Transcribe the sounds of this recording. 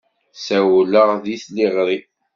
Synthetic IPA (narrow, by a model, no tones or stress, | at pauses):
sæwləʁðiθliʁɾi